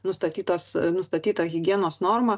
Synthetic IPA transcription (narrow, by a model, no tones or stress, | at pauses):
nʊst̪ɐt̪ʲiːt̪oːsnʊst̪ɐt̪ʲiːt̪ɐɣʲɪɡʲiɛnoːsnoːrmɐ